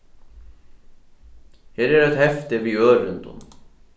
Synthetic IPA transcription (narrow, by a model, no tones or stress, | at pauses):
hɛːɾɛɾɛt̪hɛft̪ɪviœːɾɪnt̪ṵm